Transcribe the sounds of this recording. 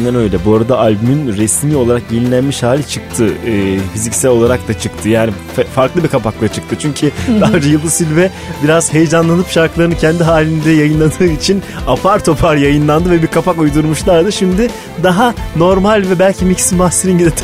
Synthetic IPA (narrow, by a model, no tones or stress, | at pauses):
nd̪anø̞jlʲɛbuaɾad̪aʔalʲbymynɾesmio̞lˠaɾak̚ɟenʲilʲænmiʃhaːlʲit͡ʃʰɯk̚t̪ʰɯɯːfizicsælʲo̞lˠaɾak̚d̪at͡ʃʰɯkt̪ʰɯjaːnifɛfaɾklˠɯbiɾkʰapak̚lˠat͡ʃʰɯ̥k̚t̪ʰɯt͡ʃʰyɲcʰid̪ad͡ʒɛjɯlˠːɯsilʲvɛ | biɾaz̥he̞jɛd͡ʒanlˠanɯpʃaɾklˠaɾɯnɯcʰɛnd̪iɦaːlʲind̪ɛjajɯnlˠad̪ɯːit͡ʃʰin | apʰaɾt̪ʰo̞pʰaɾjajɯnlˠand̪ɯvɛbiɾkʰapʰakujd̪uɾmuʃlˠaɾd̪ɯʃimd̪ɪ | d̪aɦano̞ɾmalʲvɛbælʲcʰimicsibast̪eɾinɟid̪ɛt̪ʰː